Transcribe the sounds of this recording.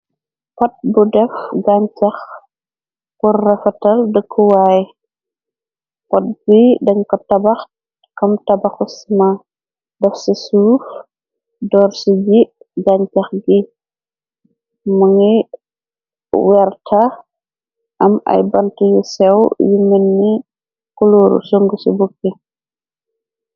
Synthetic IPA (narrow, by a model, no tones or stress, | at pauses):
pɐt̚budɛfɡaɲt͡ʃɐx | purːɛfɐtɐldəkʰːuwaːj | kɔt̚bidɐɲkɔtɐbɐx | kɐmtɐbɐxusina | dɛfsisuːf | dɔːrsid͡ʒi | d͡ʒaɲt͡ʃɐxɡi | mɐŋi | wɛrtʰɐ | ʔɐmɐ̰jbɐntijusɛwjumənːi | kuloːɾṵsuŋɡusṵbukːi